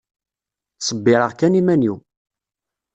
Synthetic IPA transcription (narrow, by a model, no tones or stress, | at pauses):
sˤəbːɪɾəʁkænimæniw